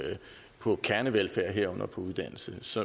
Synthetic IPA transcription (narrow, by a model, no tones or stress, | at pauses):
pʰɒ̽kʰæɐnəʋelfæɐ̰ɦeɐ̰ɔ̽n̰ɐpʰɒ̽uð̞ˠd̥æn̰l̩səsɒ̽